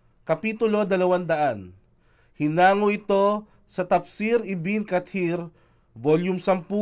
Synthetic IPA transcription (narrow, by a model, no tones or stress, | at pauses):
kɐpiːt̪ʊlo̞d̪ɐlɐwand̪ɐʔan | hɪnaːŋoɪt̪o̞ | sɐt̪ɐpsiɾɪbinkɐt̪hiɾ | voljʊmsɐmpu